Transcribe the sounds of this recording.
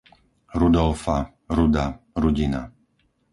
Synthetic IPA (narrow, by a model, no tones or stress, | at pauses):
ɾud̪ɔlfa | ɾud̪aɾuɟina̰